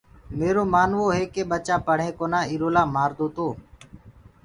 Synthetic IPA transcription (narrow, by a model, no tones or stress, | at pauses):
meːɾoːmaːnʋoːɦeːkeːɓət͡ʃaːpəɽ̤ẽːkoːnãːiːɾoːlaːmaːɾd̪oːt̪oː